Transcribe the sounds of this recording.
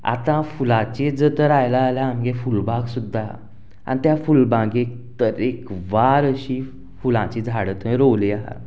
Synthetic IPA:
a̰t̪ãfulãt͡ɕed͡zət̪əɾajlaːlaãŋɡefulbãɡsud̪ʱːa | a̰nit̪jafulbãɡek̚ | t̪əɾekʋaɾəɕiː | fulã̰t͡ɕid͡zʱaɽət̪mĩɾowliaɦa̰

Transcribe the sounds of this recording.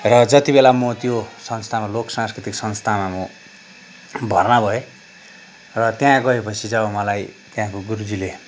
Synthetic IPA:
rʌd͡zʌt̪ibelamot̪josʌnst̪ʰamaloksãskrit̪iksʌnst̪ʰamamo | bʱʌrnabʱʌe | rʌt̪jãɡʌepʌt͡sʰid͡zʌbamʌlajt̪jãkoɡuɾud͡zile

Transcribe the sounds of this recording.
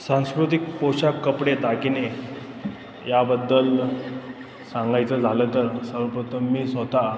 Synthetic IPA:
sãw̃skɾut̪ik̚poɕakːəpɽet̪akine | jabəd̪ːəl | sãŋɡajt͡səd͡zʱalət̪əɾsəɾəpɾət̪ʰəmːiːsot̪a

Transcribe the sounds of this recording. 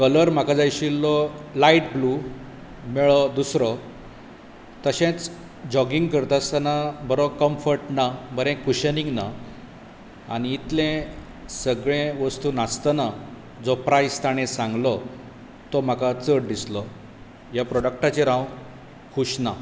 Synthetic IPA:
kələɾm̤akad͡zajɕilːɔlaiʈblu | mɛɭɔd̪usɾɔ | t̪əɕẽt͡s | d͡ʑɔɡiŋɡkəɾt̪ast̪anabəɾɔkəmfəɾʈnabəɾɛ̃kuɕəniŋɡna | aɽ̃iːt̪lẽ | səɡɭẽʋəst̪unast̪əna | d͡zɔpɾajst̪ʰaɽ̃ẽsãŋɡlɔ | t̪ɔm̤akat͡səɽd̪islɔ | japɾɔɽək̚ʈat͡ɕeɾãw | kʰuɕna

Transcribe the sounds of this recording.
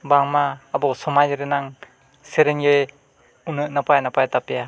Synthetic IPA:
baŋmaːbɔsɔmad͡ʒɾenaŋ | seɾenɡej | unɯʔnapajanapʰajatapeja

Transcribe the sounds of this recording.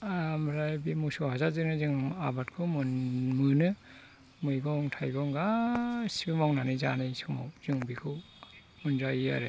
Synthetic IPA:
amɾajbimusɔhazazɯnɯzɯŋabatkʰɯmɯnmɯnɯ | mɯjɡɔŋtʰajɡɔŋɡasibimawnanɯza̰nɯjsɯma̰wzɯŋbikʰɯw | munzajia̰ɾe

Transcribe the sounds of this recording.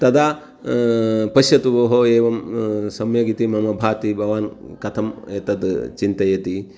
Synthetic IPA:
t̪ɐd̪aː | pɐʃjɐt̪uʋoːɦoeːʋɐmsɐmjɐɡit̪imɐmɐbʱaːt̪ibʱɐʋaːnkɐt̪ʰɐmeːt̪ɐd̪t͡ʃint̪ɐjɐt̪i

